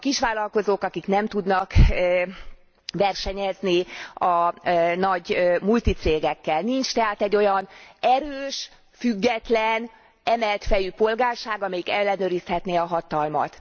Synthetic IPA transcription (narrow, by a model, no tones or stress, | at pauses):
ɒkiʃʋaːlɒlko̞zoːkɒkiknɛmt̪ud̪nɒk | vɛrʃɛɲɛzniɒnɒɟmult̪it̪seːɡɛkːɛlnint͡ʃt̪ɛɦaːt̪ɛɟːo̞jɒnɛɾøːʃ | fyɡːɛt̪lɛn | ɛmɛlt̪fɛjypo̞lɡaːrʃaːɡɒmɛjikɛlːɛnøːɾishɛt̪neːɒɦɒt̪ɒlmɒ̰t̪